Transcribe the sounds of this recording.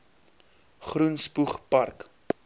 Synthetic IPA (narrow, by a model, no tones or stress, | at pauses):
χrunspuχpɐrk